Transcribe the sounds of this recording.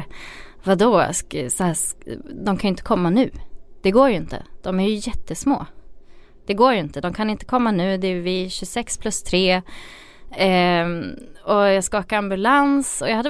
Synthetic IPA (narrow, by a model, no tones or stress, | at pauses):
vad̪oːssɔhæːʂd̪ɔmkʰanjʏɪnt̪ə̥kʰɔmːanʉ̟ːd̪̥ɛɡoːɾjɪnt̪ə̰d̪̥ɔmæɾjɵjɛt̪ːəsmo̰ː | d̪̥ɛɡoːjɪnt̪əd̪ɔmkʰanɪnt̪ə̥kʰɔmːanʉ̟ːd̪ɛːvɪɕɵsɛkspʰlɵst̪ʰɾeː | ɔjɑːɡskɑːkaɾambɵlansɔjɑɡhad̪ː